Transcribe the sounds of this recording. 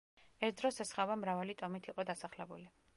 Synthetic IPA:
ɛɾt̪̚ʰd̪ɾɔsɛsχavamɾavalit̪ʼɔmit̪ʰiqʼɔd̪asaχlɛbṵli

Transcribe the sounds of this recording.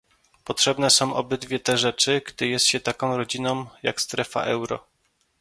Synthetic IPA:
pɔtʂɛbnɛsɔ̃w̃ʔɔ̰bɘd̪vʲjɛt̪ɛʐɛt͡ʂɘɡd̪ɘjɛst̪ɕɛt̪akɔ̃w̃ɾɔd͡ʑinɔ̃w̃ja̰kst̪ɾɛfa̰ʔɛwɾɔ̰

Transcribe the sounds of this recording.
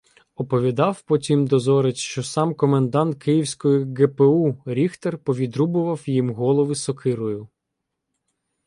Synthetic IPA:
ɔpɔʋʲid̪ɑwpɔtʲimd̪ɔzɔɾet͡ʃʃt͡ʃɔsɑmkɔmend̪ɑnt̪̚kɪjiwsʲkɔjiɡepeuɾʲixt̪ɐrpɔʋʲid̪ɾubʊʋɐwjimɦɔlˠɔʋɪsɔkʰɪɾɔjʊ

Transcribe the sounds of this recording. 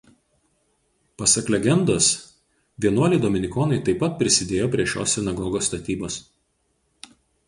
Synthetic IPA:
pɐsɐklʲɛɡʲɛnd̪oːs | ʋʲiɛnuɔlʲɪd̪oːmʲɪnʲɪkɔːnɐɪt̪ɐɪpːɐt̪̚pʲɾʲɪsʲɪd̪ʲeːjoːpʲɾʲiɛʃʲo̰ːsːʲɪnɐɡɔːɡoːst̪ɐt̪ʲiːboːs

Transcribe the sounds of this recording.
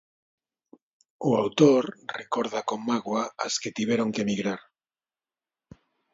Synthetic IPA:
uawt̪oɾrekoɾðakomːaɣwaasket̪iβeɾoŋkemiɣɾaɾ

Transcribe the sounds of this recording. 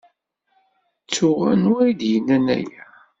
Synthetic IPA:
t͡sːʊʁænwæjd̪jənːænæ̰jæ

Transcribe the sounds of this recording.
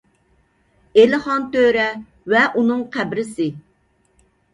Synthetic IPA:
elɪχɑnt̪øɾɛ | vɛʔunɨŋqʰæbɾɪsɪ

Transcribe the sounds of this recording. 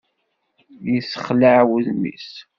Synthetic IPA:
jəsəχləʕwuðnḭs

